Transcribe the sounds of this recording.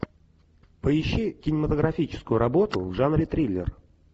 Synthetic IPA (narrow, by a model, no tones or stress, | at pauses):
pəɪɕːikʲɪnʲɪmət̪əɡɾɐfʲit͡ɕɪ̥skʊjʊɾʔɐbo̞t̪ʊvʐanɾʲɪt̪ɾʲilʲːɪ̰r